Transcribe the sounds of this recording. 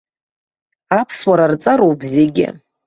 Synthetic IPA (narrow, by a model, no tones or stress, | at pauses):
apʰswaɾart͡sʼaɾowbzeɡʲɪ̰